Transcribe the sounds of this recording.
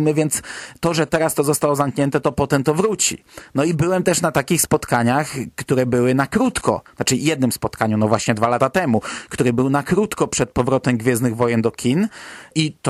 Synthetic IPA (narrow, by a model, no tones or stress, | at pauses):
mɘvʲjɛnt̪st̪ɔʐɛt̪ɛɾast̪ɔzɔst̪awɔzamkɲɛnt̪ɛt̪ɔpɔt̪ɛmt̪ɔvɾut͡ɕḭ | nɔibɘwɛmt̪ɛʂnat̪akʲixspɔt̪kaɲaxkt̪uɾɛbɘwɘnakɾut̪kʰɔ̰nat͡ʂɘjɛd̪̚nɘmspɔt̪kaɲunɔvwaɕɲɛd̪valat̪at̪ɛmukt̪uɾɘbɘwnakɾut̪kɔpʂɛt̪̚pɔvɾɔt̪ɛmɡvʲjɛznɘɣvɔjɛnd̪ɔkʲinit̪